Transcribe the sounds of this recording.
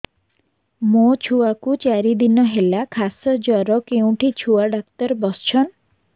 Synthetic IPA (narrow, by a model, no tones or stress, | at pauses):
mot͡ʃʰuakut͡ʃaɾid̪inɔɦelakʰasɔd͡ʒɔɾɔkeũʈʰit͡ʃʰuaɖak̚t̪ɔɾbɔst͡ʃʰɔn